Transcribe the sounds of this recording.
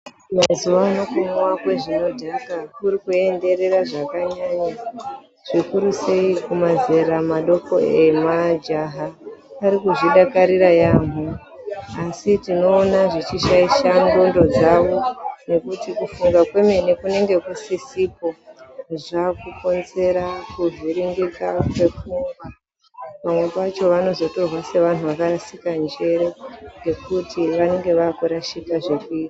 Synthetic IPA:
mazuʋaːno̞kumwakwe̞ʐino̞dʱakakuɾikue̞nde̞ɾe̞raʐakaɲaɲa | ʐ̥ikuɾuse̞ikumaze̞ɾamaɗo̞ko̞̰e̞mad͡ʒaɦaaɾikuʐiɗakaɾiɾajaːmu | asitino̞ːnaʐit͡ʃiʃaiʃaŋɡo̞ndo̞d͡zaʋo̞ne̞kutikufuŋɡakwe̞me̞nekune̞ŋɡe̞kusisipo̞ʐakuko̞nze̞ɾakuvʱiɾiŋɡikakwe̞fuŋɡa | pamwe̞kat͡ʃo̞ʋano̞zo̞to̞rwase̞ʋan̤uʋakaɾasikand͡ʒe̞ɾeŋɡe̞kutiʋane̞ŋɡe̞ʋakuɾaʃikaʐekui

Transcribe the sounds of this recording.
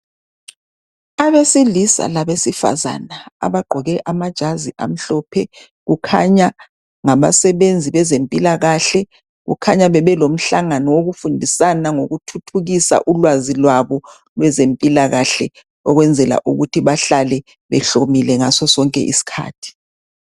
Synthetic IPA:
aβesilisa̰laβesifa̰za̰naa̰βaɡ͡ǃʱɔɣɛʔamad̥ʒ̥ʱaziʔa̰m̩ɬɔpʰɛ | ɣukʰaɲa | ŋaβa̰sɛβend͡zʱiβɛzempʼilaɣaɬɛ | ɣṵkʰaɲaβɛβɛlom̩ɬaŋanɔwoɣufundʱisanaŋoɣutʰutʰuɣisa̰ʔulwazilwaβɔ | lwɛzempʼilaɣaɬɛ | ɔɣwɛnd͡zʱɛla̰ʔuɣutʰiβaɬalɛ | βɛ̰ɬomilɛŋasɔsɔŋkʼɛ̰ʔḭsi̥kʰa̰ːtʰi̥

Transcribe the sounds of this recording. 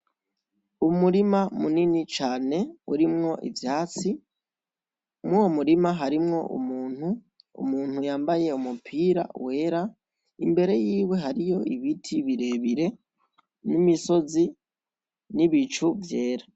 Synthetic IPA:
umuɾimamuninit͡ʃaːne̞uɾimŋo̞ʔḭvjaːt͡si | mŋuwomuɾimaɦaɾimŋo̞̰ʔṵmuːn̥hu | ṵmuːn̥hujaːmbaje̞umupʰiːɾa̰we̞ːɾa | imbe̞ɾe̞jiːwe̞ɦaɾijo̞iβitʰiβiɾe̞βiɾe̞ | nimiso̞zi | niβit͡ʃuvje̞ːɾa

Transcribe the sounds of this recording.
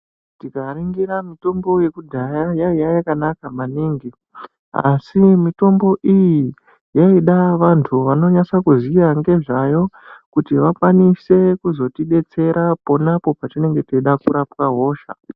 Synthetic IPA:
tikaɾiŋɡiɾamito̞mbo̞je̞kudʱajajaijajakanakamaniːŋɡi | a̰simito̞mbo̞ʔiji | jaiɗaʋantʰuʋano̞ɲat͡sakuzijaŋɡe̞ʐajo̞ | kutiʋakwanise̞kuzo̞tiɗe̞t͡se̞ɾapo̞napo̞patine̞ŋɡe̞teiɗakuɾapwaɦo̞ːʃa̰

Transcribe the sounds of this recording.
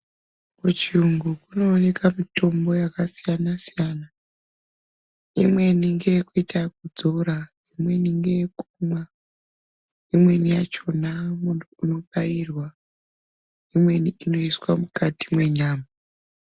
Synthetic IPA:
kut͡ʃiuŋɡukuno̞ːne̞kamito̞mbo̞jakasijanasijana | imwe̞niŋɡe̞jkuitak̚ud͡zo̞ɾa | imwe̞niŋɡe̞jekuma | imwe̞nijat͡ʃo̞namuno̞ɓairwa | imwe̞niino̞iswamukati̥mwe̞ɲaːma

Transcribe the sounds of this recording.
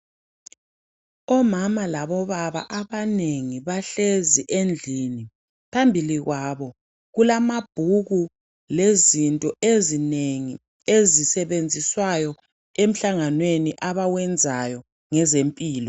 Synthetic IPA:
ɔmamalaβɔβaβa̰ʔaβaneŋiβaɬeziʔend͡ɮʱini | pʰambʱiliɣwaβɔ | ɣulamab̥ʱuɣu | lezintʼɔezineŋi | ezisɛβend͡zʱiswajɔ | em̩ɬaŋanweniʔaβawɛnd͡zʱajɔ | ŋɛzempʼiːlɔ

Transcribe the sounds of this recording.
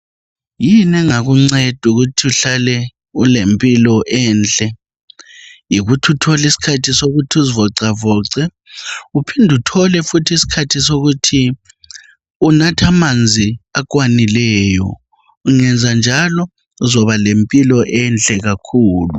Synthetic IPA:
jinɛŋaɣuŋ͡ǀɛd̥ʱuɣutʰiuɬalɛ | ulempʼilɔʔɛnt͡ɬʼɛ | jiɣutʰutʰɔlisi̥kʰatʰisoɣutʰiuzivɔǀavɔːǀɛ | upʰindʱutʰɔlɛfutʰisi̥kʰatʰisoɣutʰi | unatʰamand͡zʱiakʼwanilɛːjɔ̰ | uŋɛnd͡zʱand͡ʒʱalɔ | zɔβalempʼilɔʔɛnt͡ɬʼɛɣakʰuːlṵ

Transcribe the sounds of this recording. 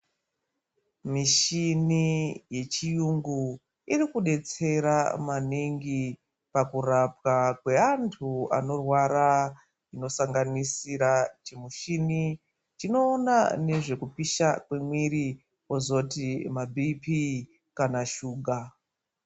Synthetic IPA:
miʃinije̞t͡ʃijuŋɡu | irikuɗe̞t͡se̞ɾa̰maniŋɡi | pakurapwakwe̞antʰua̰no̞rwaɾa | ino̞saŋɡanisiɾat͡ʃimuʃini | t͡ʃino̞ːnane̞ʐe̞kupiʃakwe̞mwiɾi | ozo̞timabʱipi | kanaʃuːɡʱa

